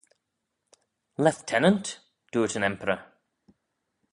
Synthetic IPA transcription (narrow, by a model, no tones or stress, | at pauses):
lɛftʰɛnənt | d̥uːətə̃nɛmpʰəɾə